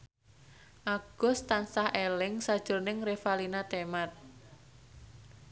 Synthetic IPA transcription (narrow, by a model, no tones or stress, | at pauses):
ʔaɡ̥ɔst̪ansahelɪŋsad̥ʒ̥ʊ̤rnɪŋrefalinat̪emat̪̚